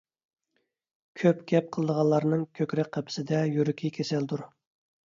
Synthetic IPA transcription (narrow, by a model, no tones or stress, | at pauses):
kʲʰøpɡʲɛp̚qʰəlˠɨd̪əʁɑlːˠɑɾnɨŋkʲʰøkʲɾɛk̚ʲqʰæpʰɪ̥sɪd̪ɛjyɾɪkʲʰikʲʰesɛld̪uɾ